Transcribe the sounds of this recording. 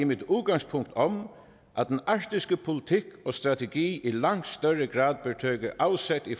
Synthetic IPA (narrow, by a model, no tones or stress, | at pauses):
imɪt̪uːt̪̚ɡaŋspʰʊŋk̚t̪ʰɔm | ʔæt̪ɛnaɹt̪ɪskəpʰʊlɪt̪ʰɪkɔst̪ɾat̪ɛɡiːʔilaŋ̥t̪st̪œɹəɡɾaːd̪̚bɪt̪ʰøːkəʔawsɛt̪i